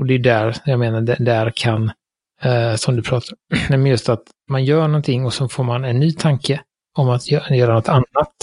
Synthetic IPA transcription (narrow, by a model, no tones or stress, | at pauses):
ɔd̪ɛjʉd̪æɾjɑːɡmeːnaɖɛd̪æɾkʰan | sɔmd̪ɵpʰɾɑːt̪ʰaɾnɛmɛnjɵst̪at̪ | manjœːɳɔnt̪ʰɪŋːɔsɔnfoːɾmanɛnːyːt̪ʰaŋkə | ɔmat̪ʰjjœːɾanɔt̪ːanːat̪